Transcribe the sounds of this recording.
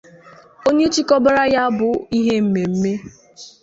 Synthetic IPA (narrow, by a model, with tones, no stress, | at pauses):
o˦ɲe˦t͡ʃi˦kɔ˦ba˦ɾa˦ja˦bʊ˨i˦ɦe˦m̩˨me˨m̩˦me˦